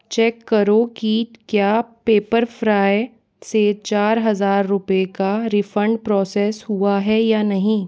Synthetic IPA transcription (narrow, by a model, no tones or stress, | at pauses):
t͡ʃɛːkːɐɾokikjaːpeːpəɾfɾaːe | set͡ʃaːɾɦɐzaːɾːʊpekaɾɪfə̃ɳɖpɾɔːsɛːshuaɦɛjaːnɐɦĩː